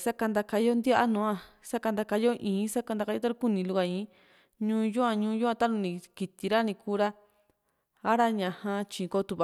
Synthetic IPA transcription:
sa˦ka˧nd̪a˧ka˧˦o˦nd̪ja˦ʔa˦nũː˨˧˦ã˧sa˦ka˧nd̪a˧ka˧˦jo˦ʔĩː˨˦sa˦ka˧nd̪a˧ka˧˦o˦t̪a˦ɾũ˧ku˦nĩ˧lu˧ka˧ĩ˨˦ | ɲũː˦ju˦ã˧ɲũː˦ju˦ã˧t̪a˦nũ˧nĩ˧ki˧t̪i˧ɾa˦nĩ˧kuː˦ɾa˦ | a˦ɾa˦ɲã˧hã˧t͡ʃĩː˨˧ko˦˧t̪u˧βa˧

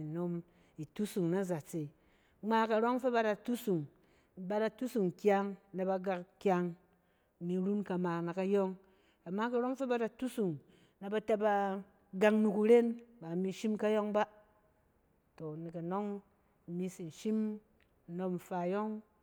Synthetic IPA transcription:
no˧m | i˨tu˦su˨ŋna˦za˨t͡se˨ | ŋ͡ma˦ka˨ɾo˦ŋfe˦ba˦da˨tu˦su˨ŋ | ba˦da˨tu˦su˨ŋkʲa˧ŋna˨ba˧ɡa˧kkʲa˧ŋ˨ | mi˧ɾu˦nka˧ma˨na˨ka˨jɔ˦ŋ | a˨mːa˦ka˨ɾo˦ŋ˦fe˦ba˦da˨tu˦su˨ŋ | na˨ba˧ta˦ba˧ | ɡa˧ŋnu˨ku˨ɾe˦nba˨mi˨ʃi˦mka˦jɔ˦ŋba˦ | to˨ni˨ka˨no˦ŋ˨ | mi˦si˨n˨ʃi˦m˦ | no˧m̩˨fa˨jɔ˦ŋ

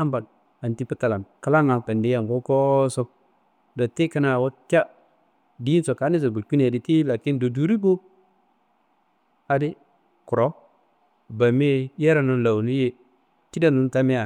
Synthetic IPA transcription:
a˦mba˨l | a˨n˨ti˦pi˦ta˨la˨nka˦la˦ŋa˨pa˨ndi˦a˨ŋko˦ko˦so˦k̚ | da˨ti˦ka˦na˨wo˦t͡ʃʲa˦ | di˦nso˨ka˨˦ni˦zo˨bu˨lku˦n˦˨a˨di˨ti˦la˨ki˦ndo˨du˨ɾi˦bo˦ | a˨di˦ | ku˨ɾo˦ | ba˨me˦je˦ɾa˨nu˨nla˨wni˦je˨ | ti˦da˦nu˦nta˦me˦a˨

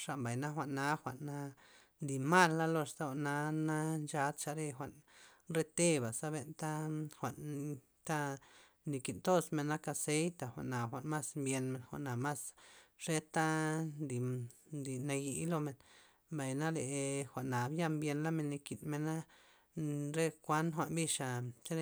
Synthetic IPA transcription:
ʂa˨ʔmba˨jna˦xʷa˨ʔnːa˧˦xʷa˨ʔnːa˧ | nd̪i˨ma˦˨lːa˦lo˧st̪a˦xʷa˨ʔna˧na˦nt͡ʃa˧˦d̪t͡ʃa˧ɾe˧xʷa˨ʔn | ɾe˧t̪e˦˧ba˨sa˦βe˧nt̪a˦xʷa˨ʔn | t̪a˦ | ni˧ki˨nt̪o˦sme˧nːa˦ka˧se˧˦jt̪a˨xʷa̰˨ʔna˨xʷa˨ʔnma˦smbje˧nme˧˨nxʷa̰˨ʔna˨ma˦sʂe˦t̪a˦nd̪i˨d̪i˨na˧ji˧˦lo˧me˧n | mba˨jna˦le˨xʷa˨ʔna˨bja˦mbje˧nla˦me˧nːi˧ki˨nme˧na˦ | ɾe˧kʷa˦nxʷa˨ʔnbi˦˧ʂa˨t͡ʃa˦e˧

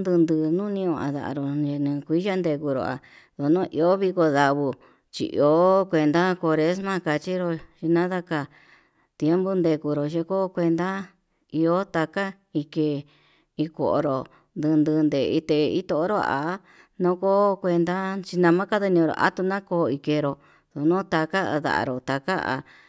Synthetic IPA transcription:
nd̪ɨ˧nd̪ɨː˧nũ˦nĩ˧õ˧ã̰˨ða̰˨a̰˧ɾo˨e˧nĩ˧kʷi˦ʒa˦nd̪e˧ku˧ɾo̰˨a̰˨ | ðo˨nõ˦ʔi˧o˦βi˧ko˧ða˧βu˧ | t͡ʃḭ˧ʔḭ˧o˦kʷe˧nd̪a˦ko˧ɾe˦smã˦ka˧t͡ʃi˦ɾo˧ʃi˧nã˦ða˦ka˧˨ | t̪je˦mbo˦nd̪e˧ku˧ɾo˨ʒe˧ko˦kʷe˧nd̪a˦ | i˧o˦t̪a˧ka˦ | i˧ke˧ | i˧ko̰˨ʔo̰˧ɾo˨ | nd̪ɨ˧nd̪ɨ˧nd̪e˨˧i˧t̪e˨˧i˦t̪o˧ʔo˦ɾo˦a̰˨˦ | nõ˦ko˦kʷe˧nd̪a˦t͡ʃi˧nã˧mã˦ka˦ðe˧nĩ˧ɾo̰˨ʔa̰˦t̪u˧nã˦koː˧i˧ke˧ɾo˧ | ðo˨nũ˦t̪a˧ka̰˦˧ða̰˨a̰˧ɾo˨t̪a˧ka̰˦a̰˨˧

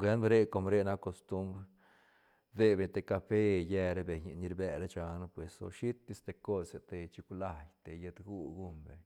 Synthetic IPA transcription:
ɡe˦nbɾe˦ko˧mɾe˦na˦ko˧st̪u˦mbɾ | d̪e˧be˧˨t̪e˧ka˧fe˦jɛ˧ɾe˦be˨ɲ˧ni˧ɾbe˧ɾe˦t͡ʃa˧n˦pwe˨so̰˧ʃi˦t̪ːi˧st̪e˧ko˦se˧t̪e˧t͡ʃi˧kla˧jt̪e˨je˧t̪ɡu˦˧ɡu˦mbe˨ɲ

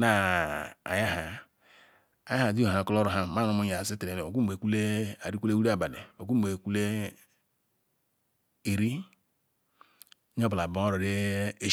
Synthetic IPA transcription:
na˨ | a̰˨ja˦ɦa˨ | a˨ja˦a˨di˦˨a˨ku˦lo˦ɾo˨ɦa˦˨ma˦˨no˨mu˦ɲ˨a˨si˦ti˨e˨e˨o˨ku˦˨e˨ku˦le˦a˨ɾi˦kʷu˦le˦wu˦ɾa˦˨ba˨nḛ˨o˨ku˦˨e˨ku˦le˦ | e˨ɾi˦ | ɲ˦o˦bla˨ba˨˦o˦ɾo˨ɾe˦e˦

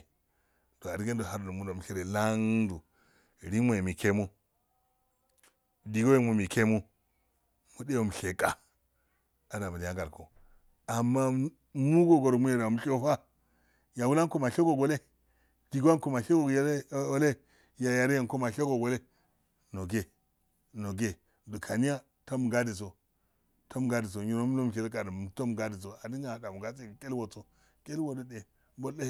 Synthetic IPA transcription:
do˨a˨ɾi˦ɡe˦ndo˨ɦa˦ɾlo˨mu˦ndo˨m˨ʃe˦ɾe˨la˦ŋdu˨ | ɾi˦n˦o˦˨e˨mi˨ke˦mu˦ | di˨ɡo˦je˦mu˨mi˨ke˦mu˦ | mu˨de˦wo˨m˨ɬe˨kʼa˨ | a˨˦na˨ba˨ja˦ɡa˨ɾko̰˨ | a˨mːa˦ | mu˦ɡo˦ɡo˨ɾo˨mu˦ne˨ɾa˨m˨ʃo˦fa˦ | ja˨wu˦la˦ŋ˦ko˦˨ma˨ɬe˦ɡo˨ɡo˨le˦ | di˨ɡa˦n˦ko˨ma˨ɬe˦ɡo˨˦o˦le˦ | ja˨ja˨ɾe˦ja˨nko˦ma˨ɬe˦ɡo˨ɡo˨le˦ | no˨ɡe˦ | no˨ɡe˨ | du˨kʰa˨ni˦ja˦ | to˦m˨ɡa˦di˨s̬o˨ | to˦m˨ɡa˦di˨s̬o˨ɲi˨ɾo˦m˦lo˦m˨ʃ̬e˨lka˨dm˨to˦m˨ɡa˦di˨so˨a˨di˦ŋa˨da˨mu˨ɡa˦t͡se˦˨ke˦lwo˨t͡so˦ | ke˦lwo˨do˦de˨ | bo˦e˦

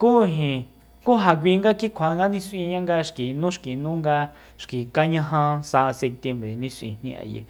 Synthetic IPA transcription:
kuː˦ɦĩ˨ | ku˦ɦa˨k̬ʷi˧ŋɡa˦ki˦kʷʰa˧˨˧ŋɡa˦nĩ˦sʔĩ˧ɲã˦ŋɡa˧ʃki˨nũ˦ʃki˨nũː˦ŋɡa˧ | ʃki˨ka˦ɲã˧ɦã˧sa˧ʔa˧se˧p̚t̪je˧mbɾe˨nĩ˧sʷʔḭ̃˨nĩ˧ʔa̰˧jḛ˧˨

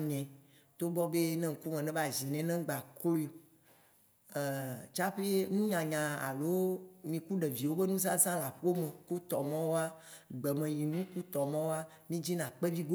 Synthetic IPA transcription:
ɲɛ̃˨ | t̪o˦bɔ˦be˦nɛ̃˦ŋ̩˨ku˦mɛ̃˨nɛ̃˦va˨zi˨nɛ̃˨nɛ̃˦ɡ͡ba˨klo˦˨ | t͡ʃa˦ɸe˦e˦nũ˦ɲã˨ɲã˨a̰˨lo˦mĩ˨ku˦ɖe˨vi˨wo˦be˦nũ˦za˦zã˦la˨ɸo˦mẽ˨ku˦t̪ɔ˨mɔ̃˦wo˦a˦ɡ͡bɛ˨mẽ˨ji˨nũ˦ku˦t̪ɔ˨mɔ̃˦wo˦a˦ | mĩ˦d͡ʑi˦nã˨k͡pe˦vi˦ɡo˦

